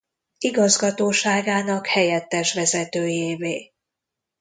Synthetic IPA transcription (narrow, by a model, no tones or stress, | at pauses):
iɡɒzɡɒt̪oːʃaːɡaːnɒkhɛjɛt̪ːɛʃʋɛzɛt̪øːjeːveː